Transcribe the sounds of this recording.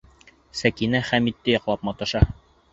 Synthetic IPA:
sækinæχæmit̪ːɘjɒqlˠɑp̚mɑt̪ɤ̆ʃɑ

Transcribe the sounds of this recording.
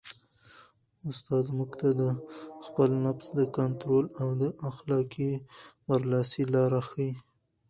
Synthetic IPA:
ʊst̪ɑd̪muɡt̪ad̪əxpəlnapsd̪əkant̪ɾolawd̪əʔaxlɑkimaɾlɑsilɑɾaxəi

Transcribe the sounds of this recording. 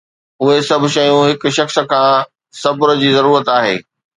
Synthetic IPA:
ʊɦesɐbʱʊ̆ʃɐjũɦɪk̆ʃɐxskʰãː | sɐbʊɾə̆d͡ʑiːzɐɾuːɾət̪aːɦḛː

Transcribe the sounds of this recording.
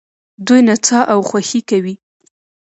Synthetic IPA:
d̪ujnat͡sɑʔawxwaxikawi

